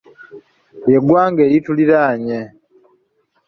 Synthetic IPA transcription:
je̞ɡwaːŋɡeːjituliɾaːɲe

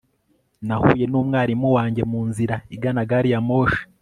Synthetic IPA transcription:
nahuːje̞nuːmŋaːɾimuwaːɲɟe̞muːnziɾaiɡanaɡaːɾijamo̞ːʃe̥

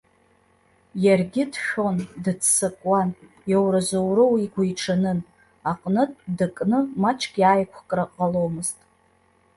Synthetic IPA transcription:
jarɡʲɪdʃᶣo̞ndɨtʰsɨkʼwan | jawɾazowɾɨwiɡʷajʈ͡ʂʰanɨn | aqʼnɨtʼdɨkʼnɨmat͡ʃʰʼkʲʼjaːjkʷʰkʼraqʼalowmɨztʼ

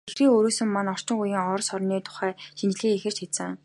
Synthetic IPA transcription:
exriːŋoɾuːsɵ̆mːanɔr̥t͡ɕɪ̆ŋujiːŋɔrsɔrniːt̪ʰʊ̥χæːʃint͡ɕ̆ɮiːŋexɘ̆r̥t͡ɕxesɘ̆ŋ

